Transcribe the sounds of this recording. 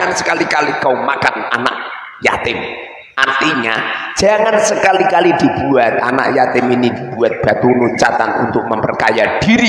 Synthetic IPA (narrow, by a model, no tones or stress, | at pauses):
ansə̥kalikalikaumakana̰na̰ʔ̚ | ja̰t̪ɪm | ʔant̪iɲa̰̥d͡ʒ̥a̤ŋansəkalikalid̪̥i̤b̥uat̪̚a̰na̰ʔjat̪ɪminid̪̥ib̥uat̪̚b̥a̤t̪uluɲt͡ʃat̪a̰nṵnt̪ʊk̚məmpərt͡ʃajad̥iɾi